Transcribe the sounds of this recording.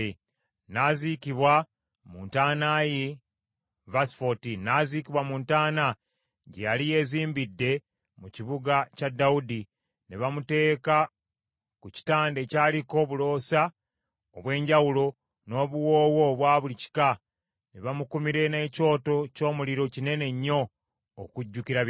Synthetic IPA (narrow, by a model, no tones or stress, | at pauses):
naːzikiβwa | muːntaːnaji | vasfotinːaziːkiβwamuːntaːna | ɟejalije̞ziːmbidːe̞ | muciβuɡacadaudi | niβamute̞ːka | kuci̥taːnde̞caːliko̞βulo̞ːsa | oβwe̞ːɲɟawulo̞ | no̞ːβuwoːwo̞βwaːβulici̥ka | neβamukumiɾe̞ne̞ːco̞ːto̞co̞ːmuliɾo̞cine̞ne̞ɲːo̞ː | kuɟːukiɾa